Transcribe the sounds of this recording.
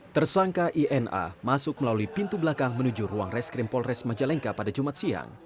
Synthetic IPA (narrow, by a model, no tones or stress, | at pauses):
t̪ərsaŋkaʔiʔɛna̰masʊk̚məlaluipint̪ublakaŋmənud͡ʒuruaŋrɛskɾɪmpɔlrɛsmad͡ʒalɛŋkapadad͡ʒumat̪̚sia̰ŋ